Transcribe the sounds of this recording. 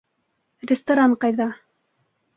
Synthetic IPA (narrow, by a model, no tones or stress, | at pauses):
rʲɪst̪ɐɾaɴqɑjðɑ